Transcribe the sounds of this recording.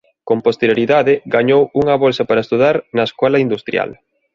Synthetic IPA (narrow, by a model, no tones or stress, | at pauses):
kõmpost̪eɾjoɾiðaðɪɡaɲowuŋɐβolsɐpaɾaest̪uðaɾnɐeskɔlɐind̪ust̪ɾja̰l